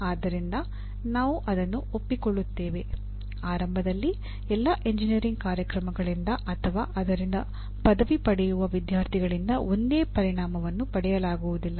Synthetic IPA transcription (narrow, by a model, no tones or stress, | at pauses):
aːd̪ːɐɾind̪ɐ | naːʋuʔɐd̪ɐnːuo̞pːiko̞ɭːut̪ːe̞ːʋe̞ | aːɾɐmbʱɐd̪ɐlːi | ɛlːɐʔe̞ɲd͡ʒinijɐɾiŋɡkaːɾjɐkɾɐmɐɡɐɭind̪ɐʔɐt̪ʰɐʋaːʔɐd̪ɐɾind̪ɐ | pɐd̪ɐʋipɐɽɛjuʋɐʋid̪jaːɾt̪ʰiɡɐɭind̪ɐo̞nd̪eːpɐɾiɳaːmɐʋɐnːupɐɽɛjɐlaːɡuʋud̪ilːɐ